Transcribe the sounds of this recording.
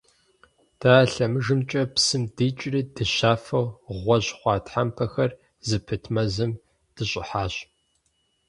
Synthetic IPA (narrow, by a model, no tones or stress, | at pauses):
d̥aːɬɐmɨʒɨmt͡ʃʼɐpsɨmdiːt͡ʃʼridɨɕaːfɐwʁʷɔʑχʷɑːtħampʰɐxɐr | zɨpʰɨtʰmɐzɨm | d̥ɨɕʼɪ̰ħaːɕ